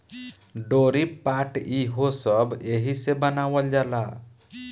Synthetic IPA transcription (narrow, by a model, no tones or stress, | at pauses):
ɖoɾipaʈiɦosəbeɦisebənawəld͡ʒala